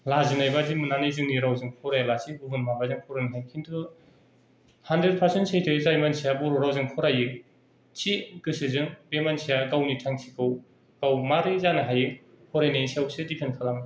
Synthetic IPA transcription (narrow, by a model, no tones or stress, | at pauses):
lazɯnajbazimɯnanɯzɯŋniɾawzɯŋkʰɔɾajlasʰibubɯnmabazɯŋkʰɔɾɯnɦajkʰintʰu | handɾed̚pʰaɾsentsʰejtʰɯizajmansijabuɾoɾawzɯŋkʰɔɾajɯ | t͡ʃʰikɯsɯzɯŋbemansijaɡawnitʰaŋsʰikɯw | kawmaɾizanɯɦajɯ | hʰɔɾajnansijawsɯdipʰenkʰalamɯ